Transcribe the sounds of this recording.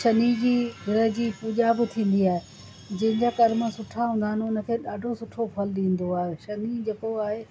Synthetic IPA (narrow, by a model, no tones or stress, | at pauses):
ʃɐnid͡ʑiːɡɪɾəɦd͡ʑiːpuʄaːbɪt̪ʰĩːn̆d̪iaːɦe | d͡ʑɐ̃ɦɪ̃ɲd͡ʑakɐɾmə̆sʊʈʰaɦũːnd̪aɦəɪnɪ̆ʊnə̆kʰeːɗaːɖʱosʊʈʰopʰɐlɗĩːn̆d̪oaːɦeʃɐnid͡ʑɐkoaːɦe